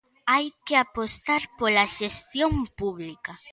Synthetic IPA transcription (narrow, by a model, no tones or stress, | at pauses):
ajkeapost̪aɾpolaʃest̪jõŋpuβlika